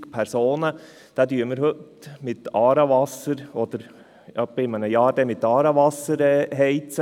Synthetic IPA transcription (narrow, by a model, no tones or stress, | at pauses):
pʰæɾsoːnə | d̪̥æːd̪yːməɾhɵt̪mɪt̪ɑːɾɑʋɑsəɾɔd̪əɾ | jɑb̥ɪmənəjɑːd̥̪ɛmɪt̪ːɑːɾɑʋɑsəɾɛɦɛɪt͡sə